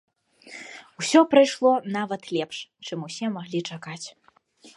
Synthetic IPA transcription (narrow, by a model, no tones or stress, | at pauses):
usʲɔpɾajʂlˠɔnavɐt̪lʲɛpʂt͡ʂɨmusʲɛmaɣlʲit͡ʂakat͡sʲ